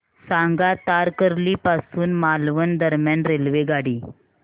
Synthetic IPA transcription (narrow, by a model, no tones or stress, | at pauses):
sãŋɡat̪aɾkəɾliːpasuːnmalʋənd̪əɾmjanɾelʋeɡaɽiː